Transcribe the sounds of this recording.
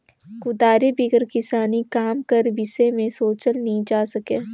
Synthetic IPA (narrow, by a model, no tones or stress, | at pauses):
kʊd̪aːɾebɪɡəɾkɪsaːnikaːmkɐɾbɪsemẽsoːt͡ʃəlnɐɦĩd͡ʒaːsɐkeː